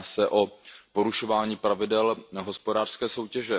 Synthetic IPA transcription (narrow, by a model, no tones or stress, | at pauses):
sɛʔo̞po̞ɾuʃo̞vaːɲiːpɾavɪdɛlɦo̞spodaːr̥skɛːso̞wcɛʒɛ